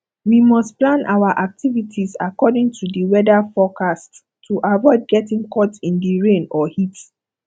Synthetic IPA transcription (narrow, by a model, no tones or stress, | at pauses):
wimɔstplãnʔawaʔak̚tʰivitʰiza̰kɔdĩŋtʰudiwɛdafɔkast | tʰːuʔavɔɪd̚ɡɛtĩŋkʰɔtĩndiɹẽnɔhit